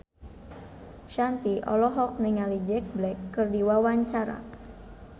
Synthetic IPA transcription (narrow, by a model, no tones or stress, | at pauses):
ʃant̪iʔɔ̰lɔɦɔk̚niŋalid͡ʒɛk̚blɛkːɨrdiwawaɲt͡ʃaɾa̰